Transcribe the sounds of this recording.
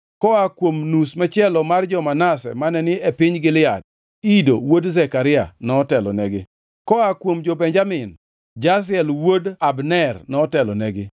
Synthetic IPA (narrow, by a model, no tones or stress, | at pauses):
kɔakwomnusmɛt͡ʃɪɛlɔmard͡ʒɔmanasɛ̰manɛnɪɛpɪɲɡɪlɪa̰d̚ | idowodzɛkaɾɪa̰nɔtɛlɔ̰nɛɡɪ | kɔakwomd͡ʒobɛɲd͡ʒamɪn | d͡ʒas̬ɪɛlwodabnɛrnɔːtɛlɔnɛɡɪ